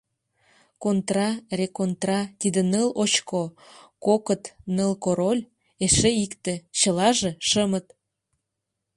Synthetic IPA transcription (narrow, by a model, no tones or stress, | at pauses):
kont̪rɑrekont̪rɑt̪id̪ənəlot͡ɕkokokət̪nəlkoɾolʲ | eʃeikt̪ĕt͡ɕə̆lɑʒeʃəmət̪